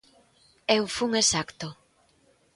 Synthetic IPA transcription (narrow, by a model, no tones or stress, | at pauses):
ewfuŋesakt̪o